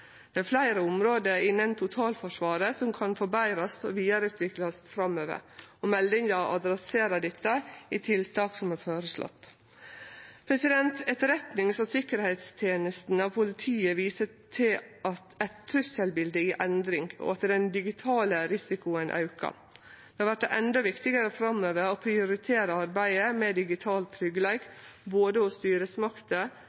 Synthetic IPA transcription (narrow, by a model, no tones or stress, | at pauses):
d̪̥ɛæɾflæɪɾəʊmɾoːd̪əɪnːənt̪ʰʊt̪ʰɑːlfɔʂʋɑːɾəsɔmkʰɑnfɔbæɪɾɑsɔʋiːɑɾʉːt̪ʰʋɪklɑsfɾɑmøːʋə̰ɾɔmɛld̪ɪŋd̪ɑʔɑd̪ɾɑseːɾɑd̪ɛt̪ːəit̪ʰɪlt̪ʰɑːksɔmæɾføːɾəslɔ̰t̪ː | pʰɾɛsɪd̪ɛnt̪ɛt̪ɾɛt̪nɪŋsɔsɪkəɾhɛɪt̪st̪ʰjeːnəst̪n̩ɑʋpʰʊlɪt̪ʰiːəʋiːsə | t̪ʰɪlɑt̪æɪt̪t̪ʰːɾʉsəlbɪld̪əiːʔɛnd̪ɾɪŋɡɔ̰ɑt̪d̪ɛnd̪ɪɡɪt̪ʰɑːləɾɪsɪkʊənʔɑ̰ʉkɑ̰ | d̥̪ɛhɑɾʋæʈ̚d̪ɛʔɛnd̪ɔʋɪkt̪ɪɡəɾəfɾɑmøːʋəɾɔpʰɾɪʊɾɪt̪ʰeːɾəɑɾbæɪəmɛd̪ɪɡɪt̪ʰɑːlt̪ʰːɾʏɡəleːɡboːd̪əɔst̪yːɾəsmɑkt̪ə